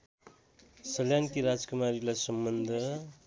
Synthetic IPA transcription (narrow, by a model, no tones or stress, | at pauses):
sʌljankiɾad͡zkumaɾilajsʌmbʌnd̪ʱʌ